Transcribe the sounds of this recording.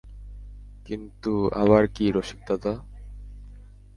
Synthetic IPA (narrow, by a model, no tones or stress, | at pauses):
kint̪ua̰βaɾkiɾoʃi̥k̚t̪at̪a